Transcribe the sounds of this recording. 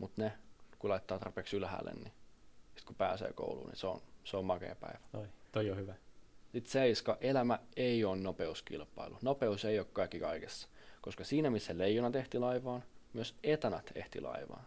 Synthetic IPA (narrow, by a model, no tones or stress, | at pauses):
mut̪nekulɑit̪ːɑːt̪ɑrpeːksylhæ̰ːlːḛnnisi̥t̪kupæ̰ːsḛːko̰ulṵːnḭseo̰nseommɑkḛːpæ̰iʋæ̥ot̪ojjohyʋæsit̪seiskɑʔelæmæeioːnnopeuskḭlpːˑɑilunopeuseiokkɑikːikɑikesːɑ̥koskɑsiːnæmisːeleijːunɑt̪eht̪ilɑiʋɑːnmyøset̪ænɑt̪ḛht̪ḭlʔɑ̰iʋɑ̰ːn